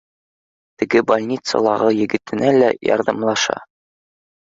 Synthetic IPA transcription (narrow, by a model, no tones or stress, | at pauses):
t̪ɘ̆ɡɘbɒlʲnʲit̪sɤ̰lˠɑʁɤjɘ̆ɡɘ̆t̪ɘ̆nælæjɒ̰ɾðɑmlˠɑʃɑ̰